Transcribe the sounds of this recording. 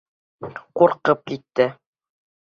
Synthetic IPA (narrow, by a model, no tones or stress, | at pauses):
quɾqɤp̚kit̪ːɘ